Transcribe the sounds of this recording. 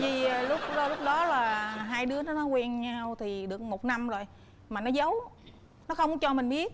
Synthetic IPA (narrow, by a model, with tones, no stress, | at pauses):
vi˨˩˨lʊ˦˥k͡p̚ːlʊ˦˥k͡p̚ɗɔ˨˦laː˨˩ɦaː˧jɗɨ˨˦ənɔ˨˦nɔ˨˦kwɛ˧nɲa˧wt̪ʰi˨˩ɗɨ˨˩ək̚mo˨˩t̚na˧mzo˨˩j | maː˨˩nɔ˨˦zə˨˦w | nɔ˨˦xə˧wŋ͡mt͡ɕɔ˧mï˨˩ŋ̟ɓi˦˥ət̚